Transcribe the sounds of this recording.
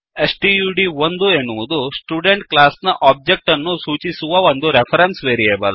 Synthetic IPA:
esʈijuːɖiond̪uenːuʋud̪usʈjuːɖeɳʈklaːsnɐʔaːb̚d͡ʒek̚ʈɐnːusuːt͡ʃisuʋɐond̪uɾepʰɐɾensʋeːɾieːbɐl

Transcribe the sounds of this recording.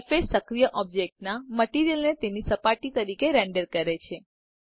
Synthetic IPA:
fesːəkɾijəʔɔb̚d͡ʒek̚ʈ̚naməʈiɾijəlnet̪enisəpaʈit̪əɾikeɾẽɳɖəɾkəɾet͡ʃʰe

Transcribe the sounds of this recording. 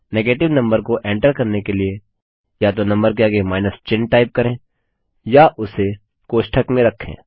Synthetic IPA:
neːɡeːʈɪʋnɐ̃mbəɾkoʔẽːɳʈəɾkɐɾnekelie | jat̪̬onɐ̃mbəɾk̬eɐɡemaːɪnəst͡ʃɪnʈaːɪp̚kɐɾẽː | jaʔʊse | koːʃʈʰəkmẽɾɐkʰːḛ̃ː

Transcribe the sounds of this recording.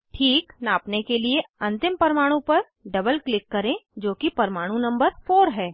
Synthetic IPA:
ʈʰiːknaːpnekelieɐ̃nt̪ɪmpɐɾmaːɽ̃ũpɐɾ | ɖɐbəlklɪkːɐɾẽd͡ʒoːkipɐɾmaːɽ̃ũnɐ̃mbəɾfoːɾɦɛː

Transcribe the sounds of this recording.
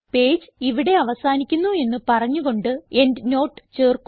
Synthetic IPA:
pe̞ːd͡ʑɨiʋiɽe̞ɐʋɐsaːnikʲːunːue̞nːɨpɐrɐɲːuɣo̞ɳɖɨe̞ndno̞ːʈːɨ̥t͡ɕeːrk

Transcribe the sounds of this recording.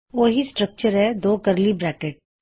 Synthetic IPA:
ʋoːɦisʈɾək̚t͡ʃəɾɦɛd̪oːkəɾlibɾɛːkeʈ̚

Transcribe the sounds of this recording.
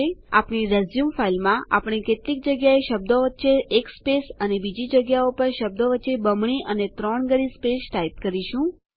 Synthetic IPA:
ea̰pɳiɾezjumfailmãa̰pɳ̃iket̪lik̚d͡ʒəɡjaeʃəb̚d̪oʋətːʃeʔːkspesənebid͡ʒid͡ʒəɡjaopəɾʃəb̚d̪oʋətːʃebəmɳiʔənet̪ɾɔɳɡəɽispesʈaip̚kəɾiʃũ

